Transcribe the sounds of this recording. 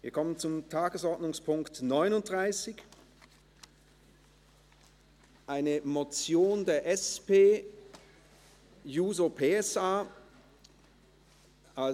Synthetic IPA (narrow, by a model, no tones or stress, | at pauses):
viːɐkʰɔmənt͡sʊmtʰaːɡəsɔɐtnʊŋspʰʊŋktnɔʏnʊnt̚d̥ʁaɪsɪç | ʔaɪnəmot͡sjoːndeːɐʔɛspeː | juːzopʰeːɛsaː | a